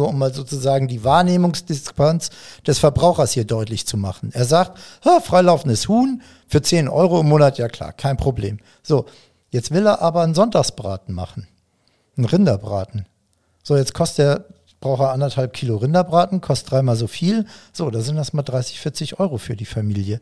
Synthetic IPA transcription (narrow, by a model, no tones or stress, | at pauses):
uɐʔʊmːaːlzoːt͡suzaːɡŋ̩diːvaːɐneːmʊŋsd̥ɪspansd̥ɛsfɛɐbʁaʊxɐshiːɐdɔʏtlɪçt͡suma̰χn̩ʔeːɐzaːkthaːfʁ̥aɪlaʊfn̩dəshuːn | fyːɐt͡seːnʔɔ̰ʏʁoɪmːoːnatjaːkl̥a̰ːɐkʰaɪnpʁ̥oblḛːm | z̥oː | jɛt͡stv̥ɪleːɐʔaːbɐnzɔntaːsb̥ʁa̰ːtn̩ma̰χn̩ | n̩ʁɪndɐbʁa̰ːtn̩ | z̥oːjɛt͡skʰɔst̚d̥eːɐ | b̥ʁaʊxɐʔandɐthalp̚kʰiːloʁɪndɐbʁaːtn̩kʰɔst̚d̥ʁaɪmaːlzoːfiːlz̥oːdaːzɪntdasmaːldʁaɪsɪ̥çfɪɐt͡sɪçʔɔʏʁofyːɐdiːfamiːljə